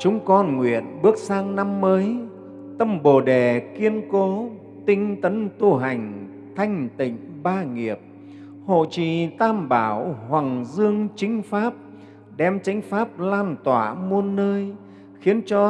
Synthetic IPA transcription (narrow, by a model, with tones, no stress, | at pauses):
t͡ɕʊ˨˦ŋ͡mkɔ˧nŋwḭ˧˨ənɓɨ˦˥ək̚saː˧ŋna˧mːəː˨˦j | t̪ə˧mɓo˨˩ɗe˨˩ki˧ənko˨˦ | t̪ï˧ŋ̟t̪ə˨˦nt̪u˧ɦa˨˩jŋ̟ | t̪ʰa˧jŋ̟t̪ï˧˨ŋ̟ɓaː˧ŋi˨˩əp̚ | ho̰˧˨t͡ɕḭ˧˨t̪aː˧mɓaː˧˩whwa˨˩ŋzɨ˧əŋt͡ɕï˨˦ŋ̟faː˦˥p̚ | ɗɛ˧mt͡ɕa˨˦jŋ̟faː˦˥p̚laː˧nt̪waː˧˩˨mu˧ənːəː˧j | xi˨˦ənt͡ɕɔ˧